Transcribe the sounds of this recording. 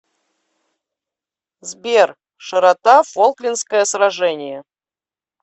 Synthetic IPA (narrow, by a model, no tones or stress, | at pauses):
zbʲer | ʂəɾat̪afolˠklʲinskəjəsɾaʐɛnʲɪjə